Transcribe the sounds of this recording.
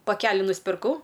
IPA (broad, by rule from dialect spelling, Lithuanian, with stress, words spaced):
pɐˈkʲæːlʲɪ nʊsʲpʲɪrˈkɐʊ